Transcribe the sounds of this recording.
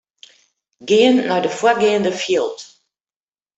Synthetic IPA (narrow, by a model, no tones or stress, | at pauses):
ɡɪənːɔɥdəfwʊɡɪəndəfjiəlˠt